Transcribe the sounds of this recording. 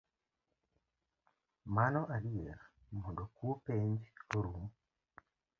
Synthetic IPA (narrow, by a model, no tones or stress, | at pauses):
manoʔalieɾa | mudokupeːɲɟi̥oɾum